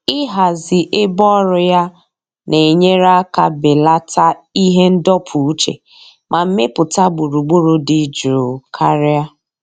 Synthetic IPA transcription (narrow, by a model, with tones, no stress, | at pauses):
ɪ˦ɦa˨zɪ˨ʔɪ˦bɔ˦ɾʊ˨ja˦ | ne˨ɲe˦ɾa˦ka˨bɪ˨la˦ta˦i˦ɦe˦n̩˦dɔ˦pʰu˨u˦t͡ʃḛ˨ | mʔa˨m̩˦me˦pʊ˨ta˦bʊ˨ɾu˨ɡ͡bo˦ɾo˦dɪ˨d͡ʒɾo˨kʰa˦ɾɪ˦a˦